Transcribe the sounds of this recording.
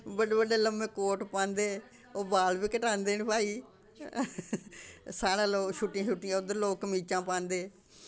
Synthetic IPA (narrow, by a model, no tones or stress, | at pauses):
bəɖeːbəɖeːləmeːkoːʈpãːnd̪eː | oːbaːlbiːkəʈãːnd̪eːnbʱaːiː | saːɽãːloːʃʊʈːãːʃʊʈːɪãːʊd̪əloːkːəmiːt͡ʃãːpãːnd̪eː